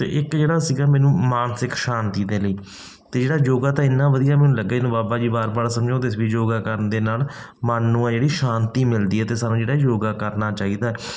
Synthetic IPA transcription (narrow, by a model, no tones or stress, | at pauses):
t̪ḛːʔɪkd͡ʒeːɽaːsiːɡaːmɛ̃ːnũːmaːnsɪkʃaːnt̪iːd̪eːləiː | t̪eːd͡ʒeːɽaːjoːɡaːt̪ãːɪnːãːʋəd̪ijaːmɛːnũːləɡːaːnũːbaːbaːd͡ʒiːbaːɾbaːɾsəmd͡ʒaõːt̪esʋiːd͡ʒoːɡaːkəɾənd̪eːnaːl | manːũːɛ̃ːd͡ʒeːɽiːʃaːnt̪iːmɪld̪iːɛːt̪eːsaːnũːd͡ʒeːɽaːjoːɡaːkəɾnaːt͡ʃaːiːd̪aːɛː